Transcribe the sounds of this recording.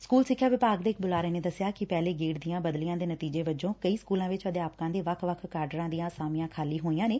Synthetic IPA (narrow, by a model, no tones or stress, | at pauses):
skuːlsɪkʰːjaːʋɪpaːɡd̪eːɪk̚bʊlaːɾeːneːd̪əsɪjaːkɪpɛːleːɡeːɽd̪ijãːbəd̪lɪjãːd̪eːnət̪iːd͡ʒeːʋəd͡ʒõːkəiːskuːlãːʋɪt͡ʃəd̪eaːpkãːd̪eːʋəkʰʋəkʰkaːɾɖəɾãːd̪ijãːsaːmɪjãːkʰaːliːɦoːiːãːneː